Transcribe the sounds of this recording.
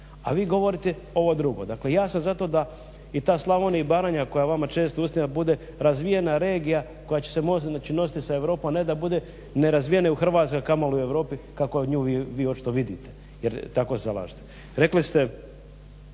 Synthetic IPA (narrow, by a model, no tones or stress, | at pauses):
a̰ʋiːɡo̞ʋo̞ɾit̪e | o̞ʋo̞d̪ɾuɡo̞̰d̪aklejaːsanzat̪o̞d̪a | it̪aːslˠaʋoniibaːɾaːɲako̞jaʋamat͡ʃe̞ːst̪ousiabud̪e̞ | ɾazʋijenaɾe̞ːɡija | ko̞jat͡ɕe̥semoaːt͡ʃino̞si̥t̪isae̞ʋɾo̞ːpomned̪abud̪e̞ | neɾazʋijenauxr̩ʋaːt̪skokamolue̞ʋɾo̞ːpikakoɲuːʋiʋiːo̞t͡ʃi̥t̪o̞ʋid̪it̪e | jeɾt̪ako̞seza̰lˠa̰ʒi̥t̪e | ɾe̞klist̪e